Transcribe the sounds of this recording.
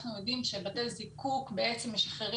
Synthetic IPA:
χnujodimʃebatelzikukbee̞t͡se̞mːeʃaχeʁi

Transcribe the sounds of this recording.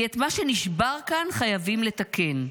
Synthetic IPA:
et̪maʃe̞niʃbaʁkanχajavimle̞t̪akʰen

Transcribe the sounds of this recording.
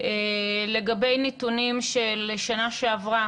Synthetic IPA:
ele̞ɡabe̞jnitunimʃelʃanaʃeavʁa

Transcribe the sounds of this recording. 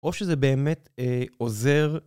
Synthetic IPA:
ʔo̞ʃezebeːmeteoze̞ʁ

